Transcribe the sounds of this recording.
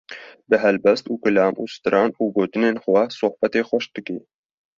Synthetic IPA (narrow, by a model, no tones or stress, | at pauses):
bɨɦɛlbɛst̪uːkɨlɑːmṵːsɨ̥t̪ɨɾʔɑːnuːɡoːt̪ɨneːnxʷɛsʊhbɛt̪eːxʷɛʃ̚d̪ɨkiː